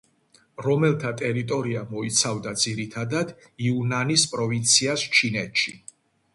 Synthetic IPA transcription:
ɾɔmɛlt̪ʰat̪ʼɛɾit̪ʼɔɾiamɔit̪sʰavd̪ad̪ziɾit̪ʰad̪ad̪ | iunanispʼɾɔvint̪sʰiast͡ʃʰinɛt̪ʃi

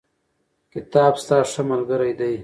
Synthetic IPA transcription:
kɪt̪aːbst̪aːʂəmɐlɡəɾajd̪aj

